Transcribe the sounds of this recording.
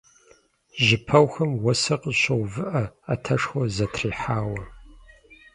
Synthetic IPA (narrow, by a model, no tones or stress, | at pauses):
ʑɪpʰɐwxɐmwɔsɐqəɕɪʁʷvɨʔɐatʰɐʂxʷɔzɐtʰriːħaːwɐ